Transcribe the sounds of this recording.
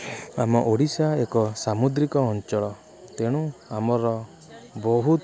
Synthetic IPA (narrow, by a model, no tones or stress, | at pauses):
amɔʔoɽisaekɔsamud̪ɾikɔːnt͡ʃɔɭɔ | t̪eɽ̃ũamɔɾɔ | bɔɦut̪